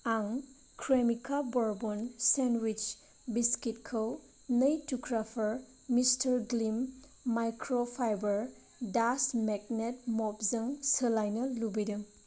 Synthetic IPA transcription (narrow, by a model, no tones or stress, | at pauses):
aŋ | kʰɾemikabɔɾbɔnsenwit͡ʃ | biskit̚kʰəw | nɐjtukʰɾapʰɐɾ | mistʰɐɾɡlimː | ajkɾopʰajbɐɾ | dasmeɡ̚net̚mɔpzɐŋsəlajnɐːubidɐŋ